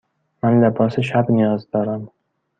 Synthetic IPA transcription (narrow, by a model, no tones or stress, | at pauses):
manlapʰɒsaʃabnɪjɒzd̪ɒɾam